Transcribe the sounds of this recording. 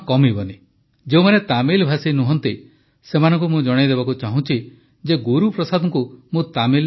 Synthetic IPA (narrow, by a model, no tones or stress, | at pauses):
kɔmibɔni | d͡ʒeumanet̪amilbʱasinuɦɔnt̪i | semanɔ̃ŋk̬umũd͡ʒɔɽ̃id̪ebakut͡ʃaɦũt͡ʃʰi | d͡ʒeɡuɾupɾɔsad̪ʱɔŋkumũt̪amil